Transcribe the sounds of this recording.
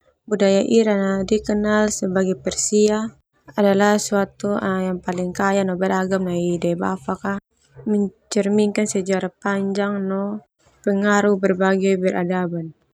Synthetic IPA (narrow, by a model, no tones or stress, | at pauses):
budajaʔiɾanadikənalsɛbaɡɛpɛrsiaː | dalahsuat̪uʔjaŋpaliŋkajanɔbɛɾaɡamnaidɛba̰paka | mɛɲt͡ʃɛrmiŋkansɛd͡ʒaɾapaɲd͡ʒaŋnɔ | pɛŋaɾubɛrbaɡɛjbɛrʔa̰daban